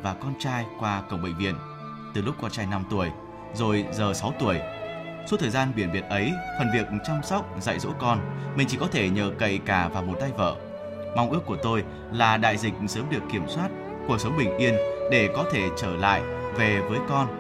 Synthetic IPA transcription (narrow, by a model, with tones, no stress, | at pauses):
vaː˨˩kɔ˧nt͡ɕaː˧jkwaː˧kə̰˧˩wŋ͡mɓə̰˧˨ŋ̟vḭ˧˨ən | t̪ɨ˨˩lʊ˦˥k͡p̚kːɔ˧nt͡ɕaː˧jna˧mt̪u˧˩əj | zo˨˩jzəː˨˩sa˨˦wt̪u˧˩əj | so˨˦t̪ʰəː˨˩jzaː˧nɓi˧˩ənɓi˨˩ət̚ʔə˨˦jfə˨˩nvi˨˩ək̚t͡ɕa˧wŋ͡msa˦˥wk͡p̚za̰ː˧˨jzo̰˧˥kɔ˧nmï̟˨˩t͡ɕi˧˩kɔ˨˦t̪ʰe˧˩ɲə̰ː˧˨˩kə̰˧˨jkaː˧˩vaː˨˩wmo˨˩t̚t̪a˧jvə̰ː˧˨ | ma˧wʔɨ˦˥əkːu˧˩ət̪o˧j | laː˨˩ɗa̰ː˧˨jzï˨˩k̟̚səː˨˦mɗɨ˨˩əkːi˧˩əmswaː˦˥t̚ | ku˧˩ək̚sə˨˦wŋ͡mɓï˨˩ŋ̟ʔi˧ənɗe˧˩kɔ˨˦t̪ʰe˧˩t͡ɕəː˧˩la̰ː˧˨jve˨˩vəː˨˦jkɔ˧n